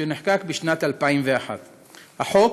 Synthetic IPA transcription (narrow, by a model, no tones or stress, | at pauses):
eniħkakbiʃnat̪alpaimveaħa̰t̪ | haħo̞k